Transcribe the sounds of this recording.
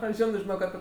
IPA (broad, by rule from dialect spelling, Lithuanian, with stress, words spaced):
ˈoːɪ ˈʒʲɪnoː ʒʲɪˈnoːk ɐˈpʲɪ